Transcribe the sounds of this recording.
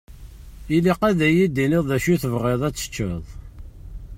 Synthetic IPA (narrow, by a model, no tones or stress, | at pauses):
iliqæðæjid̪iniðˤðæʃuθəvʁeðˤæt͡sːə̥t͡ʃːə̰ðˤ